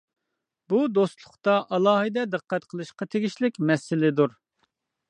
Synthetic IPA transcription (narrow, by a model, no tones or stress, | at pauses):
bud̪ost̪lˠʊχt̪ɑʔɑlˠɑːɦɨd̪ɛd̪əqʰːɛt̪qʰəlˠɨʃqɑt̪ʰeɡʲiʃlɪkʲmɛsɪlɪd̪uɾ